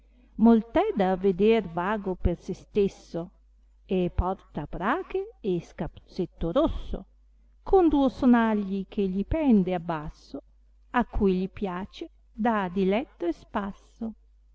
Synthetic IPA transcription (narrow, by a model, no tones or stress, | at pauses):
molt̪ɛd̪aved̪ervaːɡopersest̪esːo | epːɔrt̪apɾaːkeːskapt̪set̪ːoɾosːo̰ | kʰond̪uosonaʎːik̟ʰeʎipɛnd̪eabːasːo | akʰːujʎipjaːt͡ʃe | d̪ad̪ilɛt̪ːoespasːo